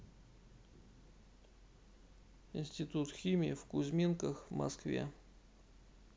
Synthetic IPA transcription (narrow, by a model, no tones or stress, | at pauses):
ɪnʲsʲtʲɪt̪ut̪xʲimʲɪːfkʊzʲmʲinkəxvmɐ̰skvʲḛ